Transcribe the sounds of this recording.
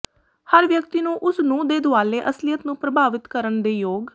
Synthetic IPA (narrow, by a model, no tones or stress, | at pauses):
həɾʋjəkt̪iːnũːʔʊsnũːd̪eːd̪oaːleːʔəslijət̪nũːpɾəbʱaːʋɪt̪kəɾəɳd̪eːjoːɡ